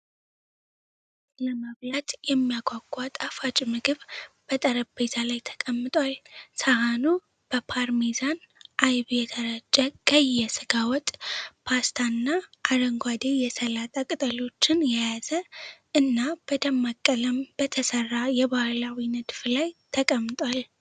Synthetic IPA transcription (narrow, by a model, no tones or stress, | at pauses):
ləməβlat̪jɛmːijaɡʷaɡʷʼat̪ʼafat͡ʃʼmɨɡɨβb̥ət̪ʼəɾəbbe̞t̪ʰalajt̪ʰə̥kʼəmːɨt̪ʼwalsəhanu | b̥əpʰaɾmezan | ʔajβjɛt̪ʰəɾət͡ʃʼːəkʼəjːɛsɨɡawɔt̪ʼpʰast̪ʰanːaʔad̪əŋɡʷwad̪ejɛsəlat̪ʼakʼɨt̪ʼəlo̞t͡ʃːɪnjɛjazəʔɨnːab̥əd̪əmːakʼːələmb̥ət̪ʰəsərːajɛbahlawinɨd̪fɨlajt̪ʰəkʼəmːɨt̪ʼwal